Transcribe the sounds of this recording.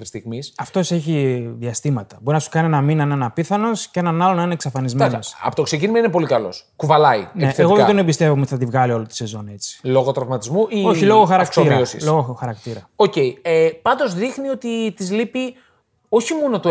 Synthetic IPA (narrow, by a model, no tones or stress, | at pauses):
ɾist̪iɣmisɐft̪o̞se̞çiðiɐst̪imɐt̪ɐbo̞ɾinɐsu̥kɐnienɐminɐnɐenɐpiθɐno̞scee̞nɐnɐlo̞nɐineksɐfɐnizmnosɐ̰pot̪oksecinimɐinepo̞likɐlo̞̰skuvɐlɐḭneeɣoðet̪onebist̪e̞vomeiθɐt̪ivɣɐlio̞lot̪i̥se̞zo̞ne̞t͡si̥lo̞ɣot̪ɾovmɐt̪izmuio̞çilo̞ɣoxɐɾɐksoiɾɐosḭlo̞ɣoxɐɾɐkt̪iɾɐoce̞iepɐnd̪o̞zðixnio̞t̪it̪izlipi | o̞çimo̞not̪o